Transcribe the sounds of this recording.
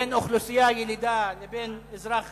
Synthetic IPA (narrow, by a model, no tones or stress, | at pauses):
enoχlusijajelid̪alebenezɾaχ